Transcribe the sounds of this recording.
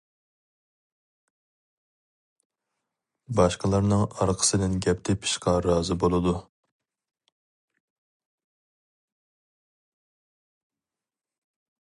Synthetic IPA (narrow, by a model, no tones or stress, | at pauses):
bɑʃqəlˠɑɾnɨŋɑɾqʰə̥sɨd̪ɪnɡʲɛp̚t̪ʰɪpʰi̥ʃqɑɾɑːzɨbolˠɨd̪u